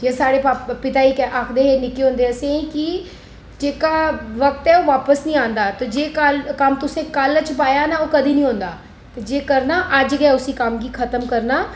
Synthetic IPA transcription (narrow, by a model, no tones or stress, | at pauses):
jɐsaːɽepaːpɪt̪aikʔaːkʰd̪eɦenɪkeɦõːnd̪eɐseĩki | d͡ʒeːkaʋɐk̚t̪ɦɛːoːʋaːpəsnəĩãːnd̪at̪od͡ʒeːkalkamt̪ʊsẽkalət͡ʃp̬aːjanaokɐd̪ʱinəĩɦõːnd̪aː | t̪ɐd͡ʒeːkɐɾnaʔəd͡ʒɡɛɛʊsikamɡiːkʰɐt̪əmkɐɾnaː